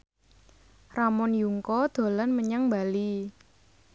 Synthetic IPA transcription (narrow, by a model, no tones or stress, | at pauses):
ramɔnjuŋkɔd̪̥o̤lanməɲaŋmbali